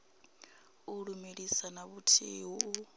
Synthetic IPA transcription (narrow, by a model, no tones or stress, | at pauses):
uɺumeɺisanaβutʰiːwuu